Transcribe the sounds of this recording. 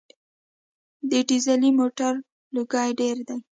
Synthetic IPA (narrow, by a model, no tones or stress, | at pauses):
d̪eʈizalimoʈaɾ | luɡɑjɖeɾd̪aj